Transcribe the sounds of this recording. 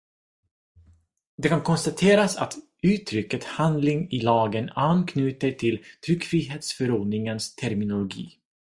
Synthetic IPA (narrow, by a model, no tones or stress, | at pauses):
d̪ɛkankʰɔnst̪at̪ʰeːɾasa̰t̪ | ʉ̟ːt̪ʰɾʏkːət̪hand̪lɪŋɪlɑːɡənankʰnʉ̟ːt̪əʈʰɪlt̪ʰɾʏkːfɾiːɦeːt̪sfœɾoːɖnɪŋənst̪ʰæɾmɪnʊlʊɡḭː